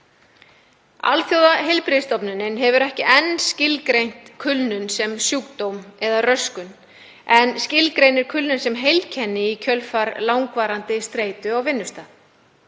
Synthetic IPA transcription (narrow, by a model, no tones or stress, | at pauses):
a̰lθjowðaɦejlpɾɪðst̪ɔpnʏnɪnɦɛvʏɾɛhcɪʔɛnːscɪlkɾejn̥t̪kʰʏlnʏnsɛmsjuːk̚t̪owmɛðarœskʏn | ɛnscɪlkɾejnɪɾ̥kʰʏlnʏnsɛmɦejlcʰɛnːɪicʰœlfaɾlawŋkvaːɾant̪ɪst̪ɾeːjt̪ʏawvɪnːʏst̪a